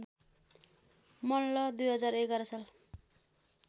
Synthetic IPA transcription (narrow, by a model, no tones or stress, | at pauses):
mʌnlʌd̪ujɦʌd͡zaɾekʌɾʌsʌl